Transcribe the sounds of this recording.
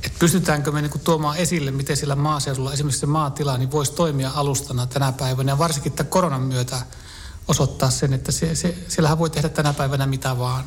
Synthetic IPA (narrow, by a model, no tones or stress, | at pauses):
et̪pyst̪yt̪æːŋkømeniːŋkut̪uomɑːesilːemmit̪esielːæmɑːseuɾulːɑesimːeksemɑːt̪ilɑniʋoisʲt̪oimiɑɑlust̪ɑnːɑt̪ænæpæiʋænæjɑʋɑrsiŋkiet̪ːækoronɑmmyøt̪æ | osot̪ːɑːssenet̪ːæsesesielːæhæʋʋoit̪ehdætt̪ænæpæiʋænæmit̪æʋɑːn